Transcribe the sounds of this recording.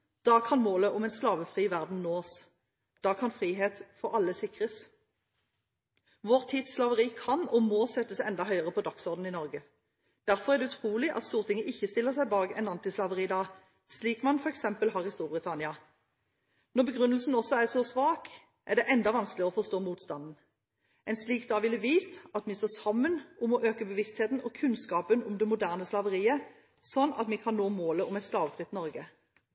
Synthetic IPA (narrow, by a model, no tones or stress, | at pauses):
d̪̥ɑːkʰɑnmoːləʔʊmɛɪnslɑːʋəfʁiːʋæʁd̪n̩noːs | d̪̥ɑːkʰɑnfʁiːɦeːt̪fɔɾɑlːəsɪkʁəs | ʋɔʁt̪ʰiːt̪sslɑʋəʁiːkʰɑnɔmɔːsɛt̪ːəsɛnd̪ɑɦœʏəʁəpʰɔd̪ɑksɔʁd̪n̩ɪnɔʁɡə | d̪̥æɾfɔʁæʁd̪ɛʉt̪ʰʁuːlɪʔɑ̰t̪st̪uːʁt̪ʰɪŋːəʔɪçːəst̪ɪlːəʁsæɪbɑːɡɛ̰nɑnt̪ɪslɑʋəʁiːd̪ɑː | sliːkmɑnfɔʁɛksɛmpəlɦɑːʁɪst̪uːɾbʁɪt̪ʰɑnɪɑ | nɔʁbəɡʁʉnəl̩sn̩ɔsːɔæsɔsʋɑːk | ʔæʁɖ̪ɛʔɛnd̪ɑʋɑnsklɪɔfɔst̪oːmuːt̪st̪ɑnd̪n̩ | ɛnsliːk̚d̪ɑːʋɪləʋiːst̪ɑt̪mɪst̪oːsɑmːənʔʊmɔʔøːkəbəʋɪst̪heːt̪n̩ɔkʰʉnskɑːpənʊmd̪ɛmʊd̪æʁnəslɑʋəʁiːə | sɔnːɑ̰t̪miːkʰɑnːoːmoːləʊmɛɪt̪slɑːʋfʁɪt̪ːnɔɾɡə